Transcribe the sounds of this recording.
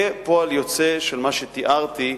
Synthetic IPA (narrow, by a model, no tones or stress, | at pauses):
epoaljot͡seʃelmaʃet̪iʔaʁt̪i